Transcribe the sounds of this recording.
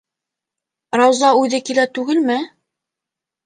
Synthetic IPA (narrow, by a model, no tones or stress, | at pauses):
ɾɑwzɑʉðɘkilæt̪ʉɡɘlmɘ